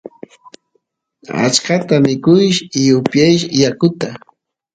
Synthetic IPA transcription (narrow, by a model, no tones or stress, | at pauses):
a̰t͡ʃkat̪amɪkʊjʃɪjʊpjajʃjakʊt̪a